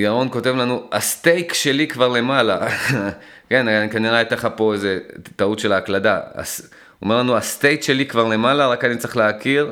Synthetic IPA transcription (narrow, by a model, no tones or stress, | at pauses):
aʁo̞nko̞te̞vlanuast̪ejkʃe̞likvaʁle̞mala | ke̞nankaniʁeat̪aχapo̞eze̞taut̪ʃe̞laːkladaa̰s | o̰me̞ʁlanuast̪ejkʃe̞likvaʁle̞malaʁakanit͡seχleakiʁ